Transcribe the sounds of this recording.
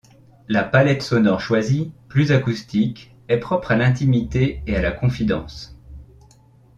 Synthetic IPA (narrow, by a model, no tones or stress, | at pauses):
lapalɛt̪sɔnɔʁʃwaziplyzakust̪ik | ɛpχɔpχalɛ̃t̪imit̪eealakɔ̃fid̪ɑ̰̃s